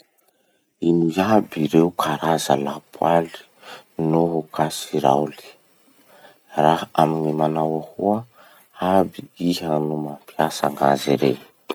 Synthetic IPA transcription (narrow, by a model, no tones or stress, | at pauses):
inujabiɾeukʰaɾazalapʰwali̥ | noɦukasiɾa̰wli̥ | raɦaminimanawahuə | abiiɦanumampiasa̰ŋa̰ziɾḛ